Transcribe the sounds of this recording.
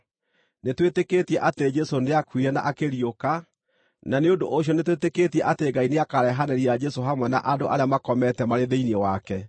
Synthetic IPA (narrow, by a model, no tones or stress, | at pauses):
netweteketiɛʔateed͡ʒɛsoneakwiɾɛna̰ʔakeɾioka | naneondo̰ʔoɕ̬jɔnetweteketiɛʔateɡaineakaɾɛɦaneɾiad͡ʒɛsoɦamwɛna̰ʔadoʔa̰ɾeamakɔmɛtɛmaɾeðeiniɛwakɛ